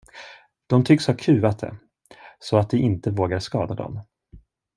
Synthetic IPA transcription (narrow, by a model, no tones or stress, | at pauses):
d̪̥ɔmt̪ʰʏkshakʰʉ̟ːat̪̚d̪ɛ̰ | sɔat̪̚d̪ɪʔɪnt̪əvoːɡaɾʂkɑːd̪ad̪ɔ̰m